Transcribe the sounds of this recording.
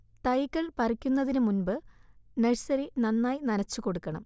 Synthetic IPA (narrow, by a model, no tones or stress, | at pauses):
t̪ɐjkːɐɭpɐrikʲːunːɐðinɨmunbɨnɐɻsɐɾinɐnːaːjinɐnɐt͡ɕːuko̞ɽukːɐɳɐ̰m